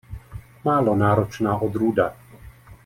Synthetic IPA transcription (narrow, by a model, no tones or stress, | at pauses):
maːlɔnaːɾɔt͡ʃnaːʔɔd̪ɾuːd̪a